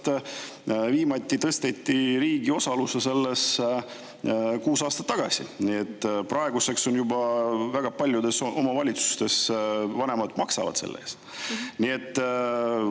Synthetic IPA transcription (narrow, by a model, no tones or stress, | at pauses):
t̪ | viːmɑt̪ʲːit̪ɤst̪et̪ːˑiɾiːɡ̥io̞sɑlusese̞lːe̞s | kuːsɑːst̪ɑt̪ːɑɡ̥ɑsḭnie̞t̪ːprɑe̞ɡuse̞kso̞njubɑvæɡ̥ɑpɑlʲjud̪e̞so̞mɑvɑlʲit̪su̥st̪e̞svɑne̞mɑd̪mɑksɑvɑ̰d̪̥se̞lːʔḛːs | nie̞t̪ː